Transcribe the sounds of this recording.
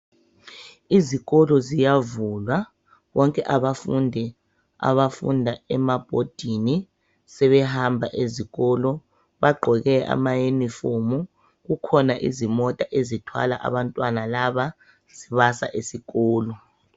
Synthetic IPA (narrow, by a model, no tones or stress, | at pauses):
iziɣɔlɔzijavulwa | βɔŋkʼɛʔaβafundʱɛ | a̰βafṵndʱaɛmab̥ʱod̥ʱini | sɛβɛhambʱaʔeziɣɔlɔ | βaɡ͡ǃʱɔɣɛʔa̰majenifomu | ɣukʰɔnaʔḭzimɔtʼaʔezitʰwa̰laʔa̰βantʼwanalaβa | z̥iβasa̰ʔesiɣɔːlɔ